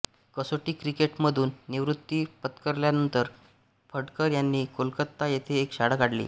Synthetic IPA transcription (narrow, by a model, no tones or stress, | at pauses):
kəsoʈiːkɾikeʈməd̪ʱuːnːiʋɾut̪ːipət̪kəɾljanənt̪əɾ | fʰəɽkəɾjanːiːkolkət̪ːajet̪ʰeːkɕaɽəkaɽlḭː